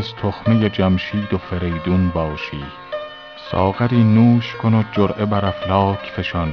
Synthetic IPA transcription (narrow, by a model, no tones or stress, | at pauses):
zt̪ʰoxmejed͡ʒæmʃiːd̪ofeɾejd̪unbɒːʃiː | sɒ̰ːɣæɾiːnuːʃkʰonod͡ʒoɾʔebæɾæflɒːkʰfe̞ʃɑn